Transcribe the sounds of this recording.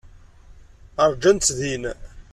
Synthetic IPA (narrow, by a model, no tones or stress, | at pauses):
əɾˤd͡ʒænt̪ðin